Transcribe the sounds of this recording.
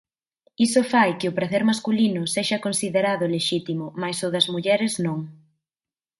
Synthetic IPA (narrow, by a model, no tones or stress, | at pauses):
isʊfajkɪʊpɾaθɛɾmaskulinʊseʃɐkonsiðeɾaðʊleʃit̪imʊmajsoðɐzmuʎɛɾɪznõŋ